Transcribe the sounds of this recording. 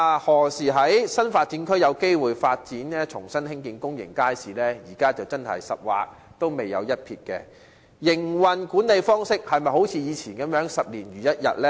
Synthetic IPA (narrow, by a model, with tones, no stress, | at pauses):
a˨hɔː˨˩siː˨˩ɦɐ˨˥jsɐ˥nfaː˧t̚t͡si˨˥nkʰɵ˥ɥjɐ˨˧wke˥jwuː˨jfaː˧t̚t͡siː˨˥nɛː˥t͡ʃʰʊ˨˩ŋsɐ˥nhɪ˥ŋkiː˨˧nkʊ˥ŋjɪ̰˨˩ŋkaː˥jsiː˨lɛː˥jiː˨˩kaː˥t͡sɐ˨wt͡sɐ˥nhɐ̰˨˩jsɐ̰˨p̚wa̰ː˨˧k̚ | t̪o˥wme˨jːɐ̰˨˧wjɐ˥t̚pʰḭː˧t̚kɛ̰ː˧ | jɪ˨˩ŋwɐ˨nkuː˨˥nle˨˧jfɔː˥ŋsɪ˥k̚hɐ˨jmɐ˨jɦo˨˥wt͡sʰiː˨˧jiː˨˧t͡sʰiː˨˩nkɐ˨˥mjœː˨˥ŋsɐ˨p̚liː˨˩njyː˨˩jɐ˥t̚jɐ̰˨t̚lɛ˥